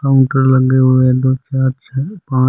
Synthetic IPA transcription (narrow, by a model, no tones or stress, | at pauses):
kaʊ̃ɳʈəɾləɡeɦued̪oːt͡ʃaːɾt͡ʃʰɛpãː